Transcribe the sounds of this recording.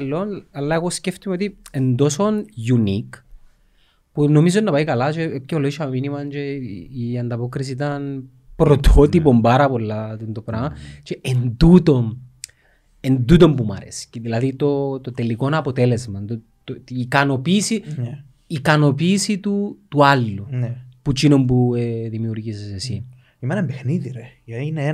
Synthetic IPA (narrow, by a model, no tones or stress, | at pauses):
lːo̞nɐlːɐeɣo̞sceft̪imeot̪iend̪o̞sonjunik | puno̞mizonːɐpɐikɐlat͡ʃeep̚ceoloiʃɐminimɐnt͡ʃeiɐnd̪ɐpo̞kɾis̬it̪ɐn | pɾot̪ʰot̪ipo̞mbaɾɐpo̞lːɐt̪int̪opɾamat͡ʃeʔend̪ut̪o̞m | end̪ut̪o̞mpuma̰ɾḛsi̥ceðilaðit̪ot̪ot̪elikonaːpot̪elezmɐnt̪u | t̪ikano̞pisiː | kano̞pisit̪ut̪ualːuput͡ʃinompueðimiuɾʝisesesi | imenembexniðiɾejine